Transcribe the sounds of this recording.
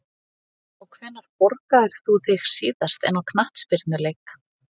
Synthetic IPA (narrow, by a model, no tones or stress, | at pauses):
ɔɣkʰvɛːnaɾ̥pɔɾkaðɪɾ̥θuθɪxsiːðast̪ɛ̰nawkʰnaht̪spɪɾt̪nʏlejkḁ